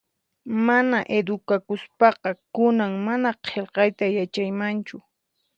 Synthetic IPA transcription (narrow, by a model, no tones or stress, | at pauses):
manaʔed̪ʊkakʊspɑqɑkʊnaŋmanaqʰelqɑjt̪ajat͡ʃajmant͡ʃʊ